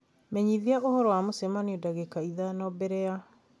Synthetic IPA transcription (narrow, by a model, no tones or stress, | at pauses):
mɛɲiðiaʔohɔɾɔwamosɛmaniodaɣekaiðanɔbɛɾɛa